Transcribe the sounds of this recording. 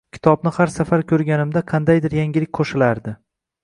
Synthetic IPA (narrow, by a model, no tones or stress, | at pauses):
kʲʰɪ̥t̪ʰɒbnɪhaɾsafaɾkʲʰɵɾɡʲanɪmd̪aqʰɑnd̪ajd̪ɪɾjaŋɡʲɪlɪk̚ʲqʰoʃɪlaɾd̪ɪ